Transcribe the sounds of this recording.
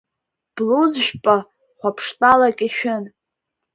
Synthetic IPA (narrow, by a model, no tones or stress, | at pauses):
b̥luzʒᶣpʼa | χʷapʰʂtʼalakʲʼiʃᶣɪn